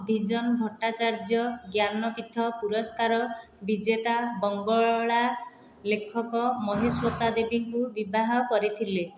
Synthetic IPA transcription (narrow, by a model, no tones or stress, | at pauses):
bʱid͡ʒɔnbʱɔʈat͡ʃaɾd͡ʒjɔɡjanɔpit̪ʰɔpuɾɔskaɾɔ | bid͡ʒet̪abɔŋɡɔɭɔɭa | lekʰɔkɔmɔɦeswɔt̪ad̪ebiŋkubibaɦɔkɔɾit̪ʰile